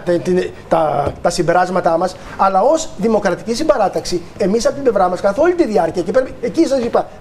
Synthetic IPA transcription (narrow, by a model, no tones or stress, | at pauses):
t̪t̪i | t̪ɐt̪ɐsimbe̞ɾɐzmɐt̪ɐmɐs | ɐlɐo̞zðimo̞kɾɐt̪i̥cisimbeɾɐt̪ɐksi | e̞misɐpo̞t̪ible̞vɾɐmɐskɐθo̞lit̪iðiɐɾciɐcepeɾecis̬ɐsipɐ